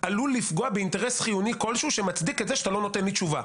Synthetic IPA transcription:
ʔalulːifɡo̞abeinteʁe̞sχijuniko̞lʃuʃemat͡sd̪iketzeʃat̪alo̞no̞te̞nlit͡ʃuva

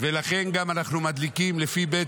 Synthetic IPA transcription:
velaχe̞nɡamanaχnumad̪likimlefibe

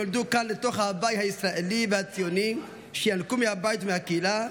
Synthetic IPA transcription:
old̪ukanlet̪o̞χhabajthaisʁaʔelivehat͡sijo̞ni | ʃejankumehabajit̪mehakeila

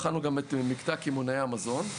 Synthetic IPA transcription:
χanuɡametmikt̪akimonajaamazo̞n

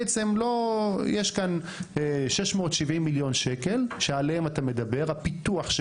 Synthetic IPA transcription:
et͡se̞mlo̞jeʃkan | ʃe̞ʃmo̞ːt̪ʃivimːiljo̞nʃeke̞lʃealeematame̞d̪abe̞ʁapit̪uaχʃ

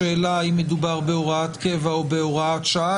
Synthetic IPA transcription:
eːlaimːed̪ubaʁbe̞o̞ʁaat̪kevaobeoʁaat̪ʃaa

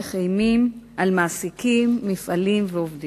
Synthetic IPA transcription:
χajmimʔalmaːsikimːifalimveovdi

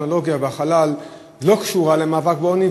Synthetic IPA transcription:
nolo̞ɡjabeaχalal | lo̞kʃuʁale̞maːvak̚beo̞ni

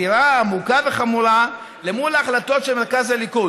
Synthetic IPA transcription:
iɾaːmukave̞χamuɾa | lemuleaχlato̞tʃelme̞ʁkazaliku

